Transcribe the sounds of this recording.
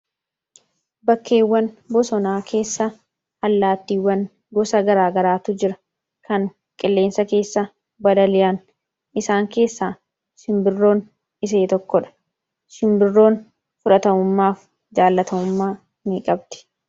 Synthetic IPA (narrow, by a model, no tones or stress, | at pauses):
bɐkːe̞ːwːɐnbɔsɔnaːkʰe̞ːsːɐ | hɐlːaːt̪ːiːwːɐn | ɡɔsɐɡɐɾaːɡɐɾaːt̪ʊd͡ʒɪɾɐ̥ | kʰɐŋ | kʼɪlːe̞ːnsɐke̞ːsːɐ | bɐd̪ɐlɪjɐn | ʔɪsaːŋke̞ːsːaː | ʃɪmbɪrːo̞ːn | ɪs̬e̞ːt̪ɔkːɔᶑɐ̥ | ʃɪmbɪrːo̞ːn | fʊᶑɐt̪ɐmʊmːaːf | d͡ʒaːlːɐt̪ɐmʊmːaː | miːkʼɐbt̪ɪ̥